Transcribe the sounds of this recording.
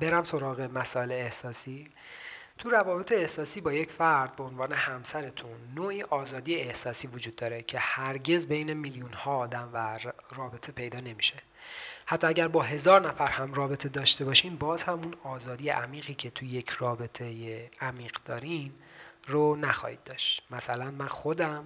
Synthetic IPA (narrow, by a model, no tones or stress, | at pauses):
beɾæmso̞ɾɒːɣe̞mæsɒːeleːhsɒːsiː | t̪ʰuɾævɒːbe̞t̪ʰe̞ːhsɒːsiːbɒːje̞cfæɾd̪̚beonvɒːne̞hæmsæɾet̪ʰunːoːʔiːʔɒːzɒːd̪ijeehsɒːsiːvod͡ʒuːd̪ːɒːɾecʰe̞hæɾɟe̞zbe̞jne̞miljunhɒːd̪æmværɒːbe̞t̪ʰe̞pʰe̞jd̪ɒːne̞miʃe̞ | hæt̪ːɒːæɟæɾbɒːɦe̞zɒːɾnæfæɾhæmrɒːbe̞t̪ʰe̞d̪ɒːʃt̪e̞bɒːʃiːmbɒːz̥hæmunɒːzɒːd̪ijeʔæmiːɣiːcʰe̞t̪ʰuje̞cʰrɒːbe̞t̪ʰe̞jeæmiːɢd̪̥ɒːɾin | ronæxɒ̰ːhḭːd̪̚ːɒːʃt̪mæsælænmænxod̪æm